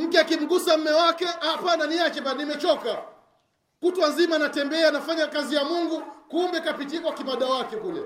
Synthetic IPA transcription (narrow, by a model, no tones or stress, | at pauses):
m̩kɛakim̩ɡusam̩mɛwakɛapananiat͡ʃɛbanimɛt͡ʃɔka | kutwazimanatɛmbɛanafaɲakazijamuŋɡukumbɛkapitiakwakimaɗawakɛkulɛ̰